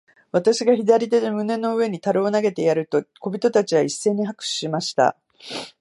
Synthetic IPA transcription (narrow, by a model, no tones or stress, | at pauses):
βat̪aɕiɡaçid̪aɾʲid̪e̞d̪emɯ̟ne̞no̞ɯ̟e̞ɲ̟it̪aɾɯonaɡe̞t̪e̞jaɾɯ̟t̪o̞ko̞bʲit̪o̞t̪at͡ɕiβaisːe̞ːɲ̟iɦakɯ̥ɕimaɕi̥t̪a̰